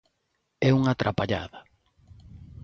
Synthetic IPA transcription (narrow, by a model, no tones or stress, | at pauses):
ɛuŋat̪ɾapaʎa̰ða